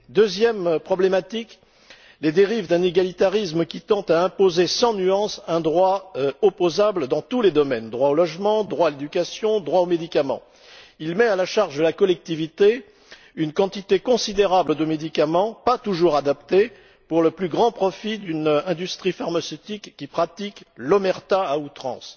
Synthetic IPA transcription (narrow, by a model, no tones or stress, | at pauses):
d̪øzjɛmpχɔblemat̪ik | led̪eʁivd̪ɛ̃neɡalit̪aʁismkʲit̪ɑ̃t̪aɛ̃pozesɑ̃nyɑ̃sɛ̃d̪ʁwaɔpozabləd̪ɑ̃t̪uled̪ɔmɛnd̪ʁwaolɔʒmɑ̃d̪ʁwaːled̪ykasjɔ̃d̪ʁwaomed̪ikamɑ̰̃ | ilmɛalaʃaʁʒd̪əlakɔlɛk̚t̪ivit̪e | ynkɑ̃t̪it̪ekɔ̃sid̪eʁabləd̪əmed̪ikamɑ̃pat̪uʒuʁad̪apt̪e | puʁləplyɡʁɑ̃pχɔfid̪ynɛ̃d̪yst̪χifaʁmasøt̪ikːipχat̪iklɔmɛʁt̪aaut̪χɑ̰̃s